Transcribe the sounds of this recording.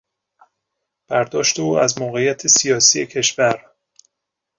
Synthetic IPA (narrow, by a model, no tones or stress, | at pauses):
b̥æɾd̪ɒːʃt̪euːæzmoɣe̞jæt̪ʰesijɒːsije̞cʰe̞ʃvæɾ